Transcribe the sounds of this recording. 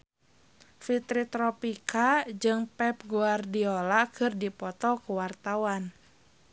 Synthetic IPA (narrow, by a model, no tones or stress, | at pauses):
fit̪ɾit̪ɾɔpikad͡ʒɨŋpɛp̚ɡuardiolakʰɨrdipɔt̪ɔkuwart̪awan